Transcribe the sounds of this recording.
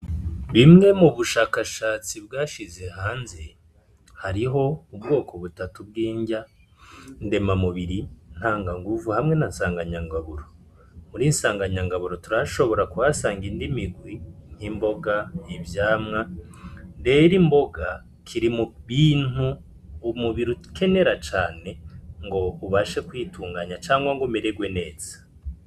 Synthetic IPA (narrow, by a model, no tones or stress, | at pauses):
βimŋe̞muβuʃaːkaʃaːt͡sibɡaːʃize̞haːnze̞ | haɾiɦo̞ubɡo̞ːko̞βutatub̚ɡiːɲɟa | nde̞mamuβiɾin̥haːŋɡaŋɡuvuhamŋe̞nansaːŋɡaɲaŋɡaβuɾo | muɾiːnsaːŋɡaɲaŋɡaβuɾo̞tuɾaʃo̞βo̞ɾakuwasaːŋɡindimiɡwin̥himbo̞ɡaivjaːmŋa | ndeɾimbo̞ɡa | kʰiɾimuβiːn̥u | umuβiɾu̥ke̞ne̞ɾat͡ʃaːne̞ŋɡo̞uβaʃekwiːtʰuːŋɡaɲat͡ʃaːŋɡwaŋɡomeɾeɡwe̞ne̞ːz̥ḁ